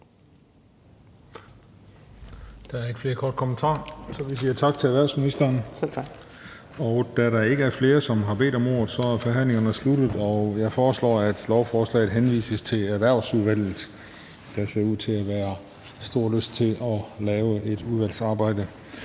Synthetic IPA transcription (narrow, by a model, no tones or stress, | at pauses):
d̥ɑ̈æɐe̝ɡ̥fle̝ːɐkʰɒːd̥kʰomənt͡sʰɑ̰̈ːsɒ̽ʋisiːɐt͡sʰɑ̈ɡ̥̚t͡sʰe̝æʋæɐ̰sminisd̥ɐːn | ɒ̽ʊd̥æɾɑ̈e̝ɡ̥əæɐfle̝ːɐsɒ̽mɦɑ̈b̥e̝̰ːd̥ɒ̽mo̝̰ːɐð̩ˠsɒ̽æɐfɒ̽ɦæn̰leŋɐnəslud̥ð̩ˠɒ̽jɑ̈ɪfɒːslɒ̰ːæd̥lɒʊfɒːslɛ̰ɪð̩ˠɦenʋḭːsəst͡sʰe̝læɐʋæɐ̰ʊsuðˠʋæl̰ð̩ˠ | d̥ɑ̈se̝ɐuð̰ˠt͡sʰe̝æʋæːɐ | sd̥o̝ɐ̰løsd̥̚t͡sʰe̝ʔɒ̽lɛːʊəe̝d̥uðˠʋæl̰sɑ̈ːb̥ɑ̈ɪ̰d̥ə